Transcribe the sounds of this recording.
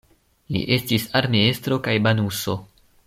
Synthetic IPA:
lḭʔe̞stisaɾmiestɾo̞kajbanuso̞

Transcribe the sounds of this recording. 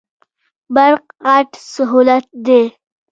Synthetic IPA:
baɾqɣaʈsaɦulat̪̚d̪e

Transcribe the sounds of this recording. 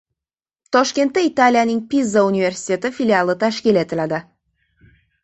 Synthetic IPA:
t̪ʰɒʃkʲe̞nt̪ːait̪alʲijanɪŋpizːaunive̞ɾsi̥t̪ʰe̞t̪ɪfilʲialˠət̪ʰaʃkʲile̞t̪ʰɪlad̪ɪ

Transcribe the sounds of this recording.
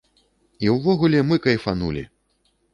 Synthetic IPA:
iwvɔɣulʲɛmɨkɐifanṵlʲḭ

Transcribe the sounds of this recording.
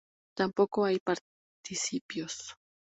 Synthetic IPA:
t̪ampokoajpaɾ | t̪isipjos

